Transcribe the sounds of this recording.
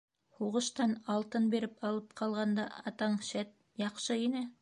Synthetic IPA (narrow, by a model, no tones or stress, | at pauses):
huʁɤ̆ʃt̪ɑnɑlˠt̪ɤnbeɾɘpɑlˠɤp̚qʰɑlˠʁɑnd̪ɑɑt̪ɑɴʃæt̪̚ | jɑqʃɤinɘ